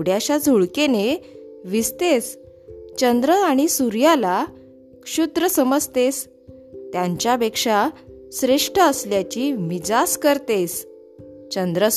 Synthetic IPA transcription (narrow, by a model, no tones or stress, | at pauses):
ɽjaɕad͡zʱuɭkeneʋist̪es | t͡ɕənd̪ɾəaɽ̃isuɾjala | kʂud̪ɾəsəməd͡zt̪es | t̪jãɲt͡ɕjapekʂa | sɾeʂʈəəsljat͡ɕimid͡zaskəɾt̪es | t͡ɕənd̪ɾə